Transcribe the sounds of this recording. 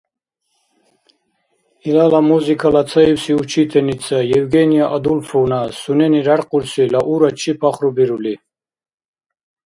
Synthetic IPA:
ilalamuzikʰalat̪sʰaiwsiut͡ʃʰit̪ʰɛnisʰajɛvɡɛnijaʔad̪ulfɔwnasunɛniɾaɾqʼuɾsilaʔuɾat͡ʃʰipʰaχɾubiɾuli

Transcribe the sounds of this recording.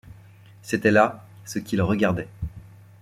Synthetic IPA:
set̪ɛlasəkʲilʁəɡaʁd̪ɛ

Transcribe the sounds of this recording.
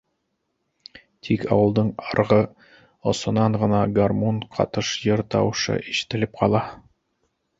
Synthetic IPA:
t̪ʰikɑ̰wɤ̆lˠd̪ɤɴɑɾʁɤ | ŏsŏnɑɴʁɤ̆nɑɡarmonqʰɑ̰t̪ɤʃjɤɾt̪ɑwɤʃɤ̰ʔiʃɘ̥̆t̪ɘ̆lɘp̚qʰɑlˠɑ

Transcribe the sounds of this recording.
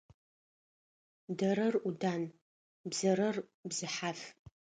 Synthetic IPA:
dɐɾɨrudaːn | bzɐɾɨrbzɨħaf

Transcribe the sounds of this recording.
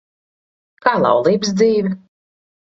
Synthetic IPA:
kaːlˠɑ̰wlˠiːbsd̪ziːvʲɛ

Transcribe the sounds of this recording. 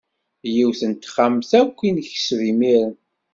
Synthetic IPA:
jiwθənt̪χamθækʷːinçə̥svimiɾən

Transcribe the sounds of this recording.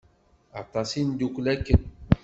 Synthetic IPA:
a̰t̪asin̩duklɛke

